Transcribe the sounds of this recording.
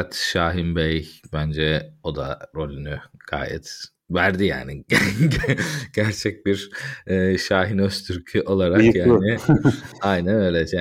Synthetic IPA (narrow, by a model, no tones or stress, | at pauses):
at̪ʃaːɦimbɛjbænd͡ʒɛo̞d̪a̰ɾo̞lʲynyɡ̥a̰ːjɛ̰t̪ | væɾd̪ija̰ːniɟɟɟ̥æɾt͡ʃʰɛc̚biɾɛːʃaːɦinøst̪ʰyɾcʰyʔo̞lˠaɾakjaːnɪ | ajnænøːlʲɛa